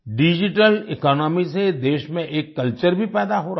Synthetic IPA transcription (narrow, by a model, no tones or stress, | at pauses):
ɖid͡ʒɪʈəlɪkɔːnɔːmised̪eːʃmẽʔeːkːɐlt͡ʃəɾbʱipɛːd̪aɦoːɾ